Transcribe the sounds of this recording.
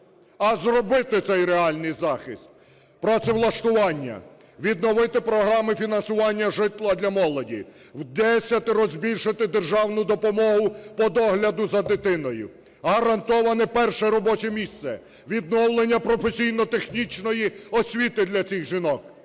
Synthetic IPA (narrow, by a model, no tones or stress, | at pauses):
ɐzrɔbɪt̪ɪt̪sɛjɾeɑlʲnɪjzɑxɪst̪̚ | pɾɔt̪sɛwlˠɐʃt̪ʊʋɑnʲːɐ̰ | ʋʲid̪̚nɔʋɪt̪ɪpɾɔɦɾɑmɪfʲinɐnsʊʋɑnʲːɐʒɪt̪lˠɐd̪lʲɐmɔlˠɔdʲḭ | wd̪ɛsʲɐt̪ɪɾɔzʲbʲilʲʃɪt̪ɪd̪erʒɑwnʊd̪ɔpɔmɔɦʊpɔd̪ɔɦlʲɐd̪ʊzɐd̪ɪt̪ɪnɔjʊ̰ | ɦɐɾɐnt̪ɔʋɐnɪpɛrʃɛɾɔbɔt͡ʃɛmʲist̪sɛ̰ | ʋʲid̪nɔwlˠenʲːɐpɾɔfesʲijnɔt̪exnʲit͡ʃnɔjiɔsʲʋʲit̪ɪd̪lʲɐt͡sʲiɣʒinɔk